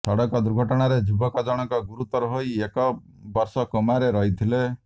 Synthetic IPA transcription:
sɔɽɔkɔd̪uɾɡʱɔʈɔɽ̃aɾed͡ʒubʱɔkɔd͡ʒɔɽ̃ɔŋkɔɡuɾut̪ɔɾɔɦojekɔ | bɔɾsɔkɔmaɾeɾɔɦit̪ʰile

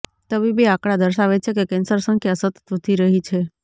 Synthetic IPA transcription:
t̪əbibiakɽad̪əɾʃaʋet͡ʃʰekekensəɾsəŋkʰjasət̪ət̪ət̪ʰiɾəɦit͡ʃʰe

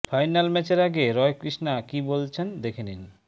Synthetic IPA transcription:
fʰajnalmɛt͡ɕeɾaɡeɾɔejkɾiʃnakibolt͡ɕʰend̪ekʰenin

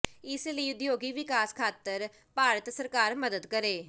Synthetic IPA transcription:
ɪsləiːʊd̪joːɡiːʋɪkaːskʰaːt̪əɾ | paːɾət̪səɾkaːɾməd̪əd̪kəɾeː

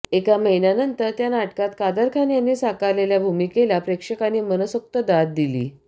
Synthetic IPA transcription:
ekaməɦinjanənt̪əɾt̪janaʈkat̪kad̪əɾkʰanjanːiːsakaleljabʱumikelapɾekʂəkaniːmənəsək̚t̪əd̪at̪̚d̪ilḭː

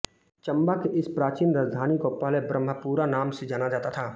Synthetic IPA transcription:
t͡ʃɐ̃mbakeʔɪspɾaːt͡ʃiːnɾaːd͡ʒd̪ʱaːnikopaːlɛbɾə̃mːəpuːɾanaːmsed͡ʒaːnad͡ʒaːt̪at̪ʰaː

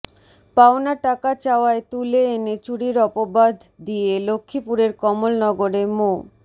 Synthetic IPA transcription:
paonaʈakat͡ɕaoaet̪uleenet͡ɕuɽiɾɔpobad̪ʱd̪ijelokʰːipuɾeɾkɔmolnɔɡoɾemo

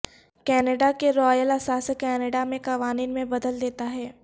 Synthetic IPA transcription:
kɛːnəɖakeɾɔːjəlɐsaːskɛːnəɖamẽkɐʋaːniːnmẽbɐd̪əld̪eːt̪aɦɛː

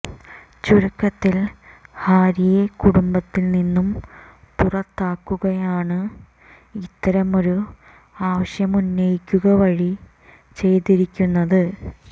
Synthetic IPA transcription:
t͡ɕuɾukːɐt̪ːilhaːɾijekuɽumbɐt̪ːilninːum | purɐt̪ːaːkːuɣɐjaːɳɨ | it̪ːɐɾɐmo̞ɾu | aːʋɐɕjɐmunːɐjikʲːuɣɐʋɐɻi | t͡ɕe̞jt̪iɾikʲːunːɐðɨ

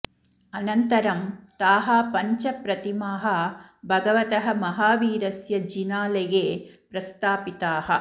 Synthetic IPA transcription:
ɐnɐnt̪ɐɾɐmt̪aːɦapɐɲt͡ʃɐpɾɐt̪imaːɦɐbʱɐɡɐʋɐt̪ɐɦɐmɐɦaːʋiːɾɐsjɐd͡ʒinaːlɐjeːpɾɐst̪ʰaːpit̪aːhɐ

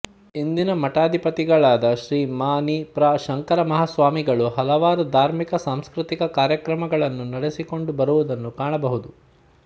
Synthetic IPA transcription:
ind̪inɐmɐʈaːd̪ʱipɐt̪iɡɐɭaːd̪ɐʃɾiːmaːnipɾaːʃɐŋkɐɾɐmɐɦasʋaːmiɡɐɭuɦɐlɐʋaːɾud̪ʱaːɾmikɐsaːmskɾut̪ikɐkaːɾjɐkɾɐmɐɡɐɭɐnːunɐɽesiko̞ɳɖubɐɾuʋud̪ɐnːukaːɳɐbɐɦud̪u

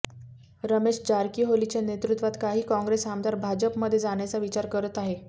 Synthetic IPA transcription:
ɾəmeɕd͡ʑaɾkiːɦolit͡ɕanet̪ɾut̪ʋat̪kaɦiːkɔ̃ŋɡɾesamd̪ʱaɾbʱad͡ʑəpməd̪ʱːjed͡zaɽ̃jat͡saʋit͡ɕaɾkəɾət̪aɦe

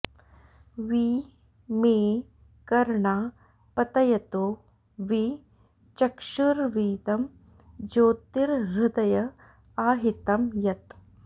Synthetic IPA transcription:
ʋiː | meː | kɐɾɳaː | pɐt̪ɐjɐt̪oː | ʋi | t͡ʃɐkʃuɾʋiːt̪ɐm | d͡ʒoːt̪iɾːɪd̪ɐjɐ | aːɦit̪ɐmjɐt̪

